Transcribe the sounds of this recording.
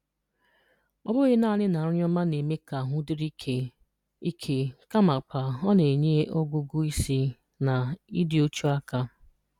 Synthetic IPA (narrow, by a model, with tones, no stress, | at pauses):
ɔ˦bʊ˦ɣɪ˦na˦˨nɪ˦na˨ɾʊ˦ɲɔ˦ma˦ne˨me˦ka˨ɦʊ˦dɪ˦ɾi˦e˨ | i˦kʰe˨ka˦ma˨k͡pa˨ɔ˦ne˨ɲe˦ʔo˦ɡʷʊ˦ɡu˦i˦si˦ | na˨i˦dɪ˨o˦t͡ʃu˦a˦ka˦